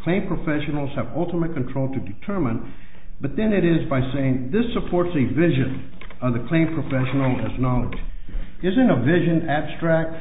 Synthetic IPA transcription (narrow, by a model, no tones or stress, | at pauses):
kʰl̥ẽɪ̃mpʰɹ̥ɨfɛʃn̩l̩ˠz̥ɨvʌlˠtəmɨt̚kʰɨ̃n̩tʰɹ̥oʊlˠtʰɨdɨtʰɜ˞mə̃n | b̥ʌt̪̚ðɨ̃nɨɾɪzbaɪseɪɪ̃ŋðɪsəpʰɔɹtsɨvɪʒɨ̃n | ʌvðɨkʰl̥ẽɪ̃mpʰɹ̥ɨfɛʃn̩l̩ˠɨznɑlˠə̰d͡ʒ | ɪzɨ̃nəvɪʒɨ̃næb̥stɹ̥æk̚t̚